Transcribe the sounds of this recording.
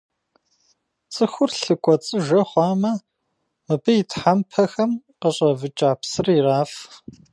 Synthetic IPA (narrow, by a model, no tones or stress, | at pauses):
t͡sʼɨxʷʊrɬɨkʷʼɔt͡sʼɨʒɐχʷɑːmɐ | mɨbɨitʰħampʰɐxɐm | qəɕʼɐvɨt͡ʃʼaːpsɨriraːf